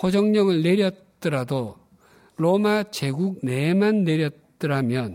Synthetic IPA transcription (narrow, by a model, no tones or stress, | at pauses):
kod͡ʑʌŋɲʌŋɯɭne̞ɾjʌt̚t͈ɯɾado | ɾomat͡ɕe̞ɡuk̚ne̞manːe̞ɾjʌt̚t͈ɯɾamjʌn